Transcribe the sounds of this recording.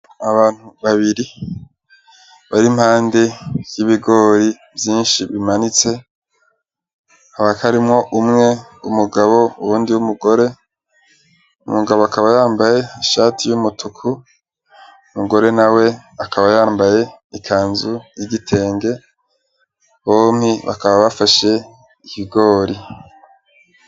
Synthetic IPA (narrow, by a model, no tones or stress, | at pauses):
aβaːn̥uβaβiɾi | βaɾim̥haːnde̞j̥iβiɡo̞ːɾi | bjiːnʃiβimanit͡se̞ | haβakʰaɾimŋo̞ʔumŋe̞umuɡaβo̞uɾuːndiwumuɡo̞ɾe̞ | ṵmuɡaβoakaβajaːmbaje̞iʃaːtʰijumutʰukʰu | umuɡo̞ɾe̞nawe̞akaβajaːmbaje̞ | ikʰaːnzujiɟitʰe̞ːŋɡe̞ | βo̞ːm̥hiβa̰kaβaβafaʃe̞ | ihiɡo̞ːɾi